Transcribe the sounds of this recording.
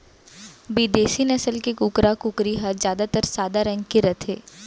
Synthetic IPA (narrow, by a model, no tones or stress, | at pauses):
biːd̪eːsinɐsəlkekukɾakukɾiɦɐzjaːd̪at̪əɾsaːd̪aɾɐ̃ŋɡkiɾɐt̪ʰeː